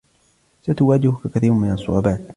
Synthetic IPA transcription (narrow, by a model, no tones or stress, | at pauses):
sat̪ʊwaːd͡ʒɪhʊkakaθiːɾʊmɪnɑsˤːʊ̰ʕɑbaːt̪